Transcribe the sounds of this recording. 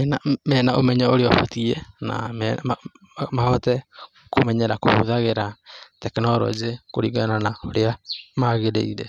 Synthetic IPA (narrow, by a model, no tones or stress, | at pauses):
ɛnamɛːnaʔomɛɲaoɾeɔfɔ̰tiɛna̰m | mahɔtɛ | komɛɲɛɾako̰ho̰ðaɣeɾatɛkenɔɾɔ̰zekoɾiɡananaoɾeamaɣeɾeiɾɛ